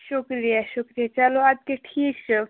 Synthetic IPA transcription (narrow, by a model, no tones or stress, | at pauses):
ʃokɾijaʃokɾijat͡ɕaload͡ʒkeʈʰikt͡ʃo